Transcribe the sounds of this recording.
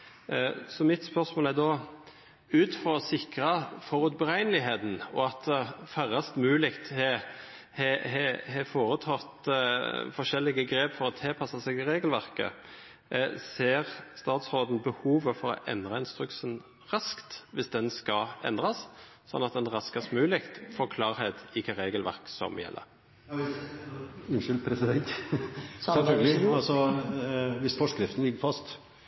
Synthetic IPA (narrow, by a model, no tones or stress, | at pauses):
sɔmɪt̪spœʁsmoːlæd̪ɔ | ʉːt̪fʁɔɔsɪkɾɑfɔʁʉt̪bəʁæɪnlɪɦeːt̪n̩ɔɑt̪fæʁɑst̪mʉːlɪkt̪hɛhɛhɛhɛfoːʁət̪ʰɑːʁt̪ | fɔʃɛlːɪɡəɡɾeːpfɔɾɔt̪ʰɛlpʰɑsɑsɛɡɪʁeːɡəlʋæʁkə̰ | seːʁst̪ɑːt̪sʁoːd̪n̩bəhuːʋəfɔɾɔ̰ʔɛ̰nd̪ʁɑɪnst̪ʁʉksən | ʁɑskt̪ʋɪsd̪ɛnskɑʔɛ̰nd̪ʁɑs | sɔ̰nːɑt̪̚d̪ɛnʁɑskɑsmʉːlɪkt̪fɔkʰlɑːɾheːt̪ɪkʰɑʁeːɡəlʋæ̰ʁksɔ̰mjɛ̰lːə̰ɾ | ʉnʃʏlpʰɾɛsɪd̪ɛnt̪ | sɛfœlɡəlɪɑlsɔ | ʋɪsfɔʂkɾɪft̪n̩lɪɡːəɾfɑst̪